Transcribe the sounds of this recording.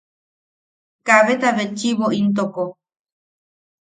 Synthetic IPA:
kaβet̪aβet͡ʃiβoʔint̪oko

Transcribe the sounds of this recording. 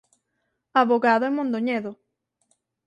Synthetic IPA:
aβoɣaðoeŋmõnd̪oɲeðo

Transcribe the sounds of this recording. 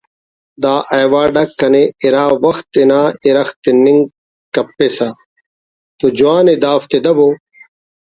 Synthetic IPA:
d̪aːʔɐjwaːɖɐkːɐneiɾaːwɐxt̪ːenaːiɾɐxt̪ːeniŋ | kɐpːesa | t̪od͡ʑuaːned̪aːft̪ed̪ɐboː

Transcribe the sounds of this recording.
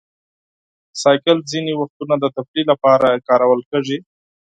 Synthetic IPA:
sɑjkɪlzinewaxt̪unad̪ət̪afɽilapɑɾakɑɾawəlkəʐi

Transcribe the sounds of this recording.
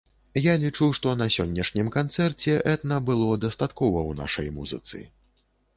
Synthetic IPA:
jalʲit͡ʂuʂt̪ɔnɐsʲɔnʲːɐʂnʲimkant̪sɛrt͡sʲɛʔɛt̪nɐbɨlˠɔd̪ɐst̪at̪kɔvɐwna̰ʂɐ̰jmuzɨ̰t̪sɨ̰

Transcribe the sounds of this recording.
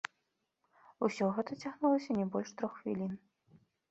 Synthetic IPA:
usʲɔɣɛt̪ɐt͡sʲaɣnulˠɐsʲɐnʲɛbɔlʲʂt̪ɾɔxxvʲḭlʲin

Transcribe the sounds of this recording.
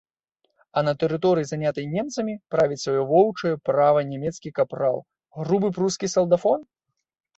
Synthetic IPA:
ɐnɐt̪ɛɾɨt̪ɔɾɨjizanʲat̪ɐjnʲɛmt̪sɐmʲipɾavʲit͡sʲsvajɔvɔwt͡ʂɐjɛpɾavɐnʲɛmʲɛt̪skʲikapɾa̰w | ɣɾubɨpɾuskʲisɐlˠd̪afɔn

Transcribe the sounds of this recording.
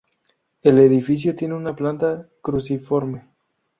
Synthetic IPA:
e̞le̞ðifis̬jot̪je̞neunaplant̪akɾusifo̞ɾme

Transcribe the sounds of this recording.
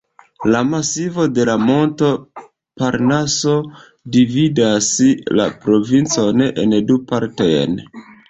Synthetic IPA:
lamasivo̞de̞lamo̞nto̞ | paɾnaso̞ | dividasla̰pɾo̞vint͡so̞nʔḛndupaɾtojn

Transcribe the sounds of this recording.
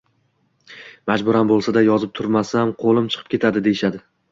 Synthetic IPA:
mad͡ʒbʊɾambolˠsad̪ajɒzɪp̚t̪ʰʊɾmasamqʰolˠɪmt͡ʃʰɨ̥qʰɨ̥pkʲʰe̞t̪ʰad̪ɪd̪e̞jɪʃad̪ɪ

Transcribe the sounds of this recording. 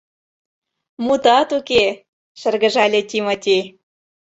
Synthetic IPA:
mut̪ɑt̪uke | ʃə̆rɣə̆ʒɑlʲĕt̪ʲimot̪ʲej

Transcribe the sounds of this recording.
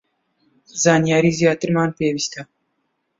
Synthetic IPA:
zɑːnjɑːɾizijɑːt̪ɪɾmɑːnpeːwist̪a

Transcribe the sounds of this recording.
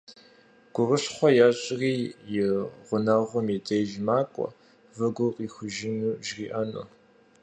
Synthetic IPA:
ɡ̥ʷʊrɨɬχʷɔjaːɕʼriːjɪʁʷʊnɐʁʷʊmjidejʒmaːkʷʼɔ̰ | vɨɡʷʊqʼiːxʷʊʒɪnuʒriːʔɐnṵ

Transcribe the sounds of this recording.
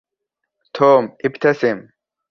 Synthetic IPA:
t̪ʰoːmipt̪ʰɐsim

